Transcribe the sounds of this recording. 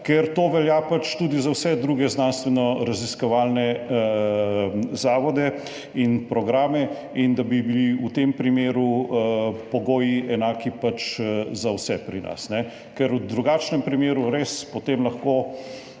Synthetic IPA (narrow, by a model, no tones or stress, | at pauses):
kɛɾt̪oːʋɛljaːpat͡ʃt̪ud̪izawsɛd̪ɾuːɡɛznanst̪ʋɛnɔɾaziskɔʋaːlnɛ | zaːʋɔd̪ɛ | inpɾɔɡɾaːmɛ | ind̪abibiliut̪empɾimeːɾuəpɔɡoːjiʔɛnaːkipat͡ʃzawsɛpɾina̰snɛ | kɛɾud̪ɾuɡaːt͡ʃnɛmpɾimeːɾuɾespɔt̪emlɐxkoː